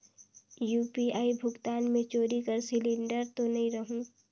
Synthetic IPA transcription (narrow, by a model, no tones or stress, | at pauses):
juːpiaːibʱʊɡt̪aːnmẽt͡ʃoːɾikɐɾsɪlɪ̃ɳɖəɾt̪onɐɦĩɾɐɦũː